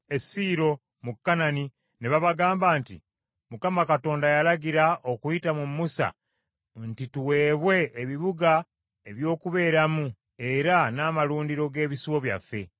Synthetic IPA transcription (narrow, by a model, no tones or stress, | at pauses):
e̞siːɾo̞ | mukːanani | neβaβaɡaːmbaːntḭ | mukamakato̞ːndajalaɡiɾaʔo̞kuitamumːusa̰ | ntituwe̞ːβwe̞ːβiβuɡa | e̞βjo̞ːkuβe̞ːɾamu | e̞ɾanaːmaluːndiɾo̞ɡe̞ːβisiwo̞βja̰fːe̞